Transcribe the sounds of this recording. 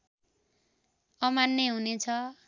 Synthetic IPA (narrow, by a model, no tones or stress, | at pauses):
ʌmanːeɦunet͡sʰʌ